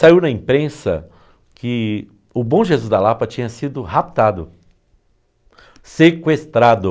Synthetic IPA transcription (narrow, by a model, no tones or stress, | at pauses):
saiwnɐĩpɾẽsɐ̰ | kɪ | ʊbõʒezuzd̪ɐlapɐt͡ʃĩɲɐsid̪ʊhap̚t̪ad̪ʊ | sekwest̪ɾad̪ʊ